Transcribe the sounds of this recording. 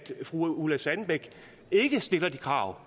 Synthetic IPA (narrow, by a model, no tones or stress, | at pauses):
d̥fʁuulæsænb̥eɡ̥ | e̝ɡ̥əsd̥e̝lɐd̥ikʰʁɑ̰̈ʊ